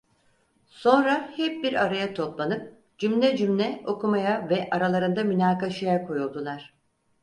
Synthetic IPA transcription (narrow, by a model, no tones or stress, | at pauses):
so̞nɾahɛp̚biɾaɾajat̪ʰo̞plˠanɯp̚ | d͡ʒymlʲɛd͡ʒymlʲɛo̞kumajavɛʔaɾalˠaɾɯnd̪amynaːkaʃajakʰo̞julˠd̪ulˠaɾ̥